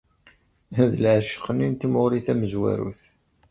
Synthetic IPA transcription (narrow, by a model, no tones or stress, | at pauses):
ðəlʕʃi̥qənint̪imoʁɾiθæməzwæ̰ɾṵθ